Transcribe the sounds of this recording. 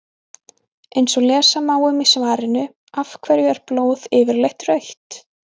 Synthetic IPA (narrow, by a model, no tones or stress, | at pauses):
ejnsɔɣlɛːsamaːwʏmɪsvaːɾɪnʏ | afkʰvɛɾjʏɛɾ̥ploːwðɪːvɪɾlejht̪rœɥjht̪